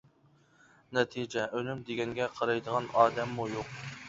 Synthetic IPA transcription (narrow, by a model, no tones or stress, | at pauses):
nɛt̪ʰid͡ʒɛʔølymd̪eɡʲɛŋɡʲɛqʰɑɾɑjd̪əʁɑnɑːd̪ɛmːujoq̚